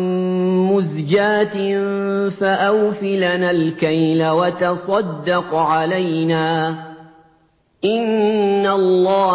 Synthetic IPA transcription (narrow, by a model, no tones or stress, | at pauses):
mʊzd͡ʒaːt̪ | faʔawfɪlanaːlkajlawat̪ɑsˤɑd̪ːɑqʕalajnaː | ʔɪnːalˤːɑː